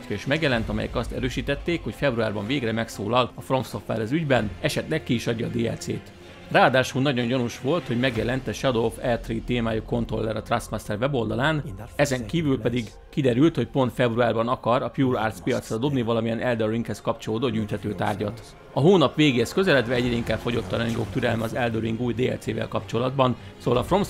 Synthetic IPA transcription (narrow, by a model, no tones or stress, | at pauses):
kiʃmɛɡjɛlɛnt̪ɒmɛ̰jɛ̰kɒst̪ɛɾøːʃiːt̪ɛt̪ːeːkho̞cfɛbruaːrbɒɱveːɡrɛmɛksoːlɒlɒfromsofʋɛ̰rɛzyɟbɛnɛʃɛt̪lɛkːiiʃɒɟːɒːd̪eːɛ̰lt̪seːt̪ | raːɒd̪aːʃulnɒɟo̞nɟonuʃʋo̞lt̪ho̞ɟmɛɡjɛlɛnt̪ɛʃɛd̪o̞fɛt̪riit̪eːmaːjuko̞nt̪ro̞lːɛɾɒt̪ransmast̪ɛrvɛbo̞ld̪ɒlaːnɛzɛŋkiːvylpɛd̪iɡ | kid̪ɛɾylt̪ho̞cpo̞nt̪fɛbruaːrbɒnɒkɒɾɒpjuːra̰ːrt̪spijɒt̪srɒd̪o̞bnivɒlɒmijɛnʔɛld̪oɾiŋkhɛskɒpt͡ʃoloːd̪oːɟyːjt̪hɛt̪øːt̪a̰ːrɟɒt̪ | ɒɦoːnɒpʋeːɡeːhɛskøzɛlɛd̪vɛɛɟrɛiŋkaːbfo̞ɟo̞t̪ːɒnɛɲɡoːkt̪yɾɛlmɛɒzɛld̪oɾiŋɡuːjd̪eːɛ̰lt̪seːvɛ̰lkɒpt͡ʃo̞lɒd̪bɒnsoːvɒlɒfro̞ms